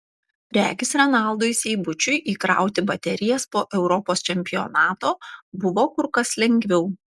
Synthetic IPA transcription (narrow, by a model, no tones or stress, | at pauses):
ɾʲæ̰ːɡʲɪsɾʲɛnɑˑlˠd̪ʊɪsʲɛɪbʊt͡ʃʲʊɪʔiːkɾɑ̰ˑʊt̪ʲɪbɐt̪ʲɛɾʲɪjɛspoːʔɛʊɾɔpoːst͡ʃʲɛmʲpʲɪjɔ̰nɑːt̪oːbʊʋoːkʊɾkɐslʲɛŋʲɡʲʋʲɛʊ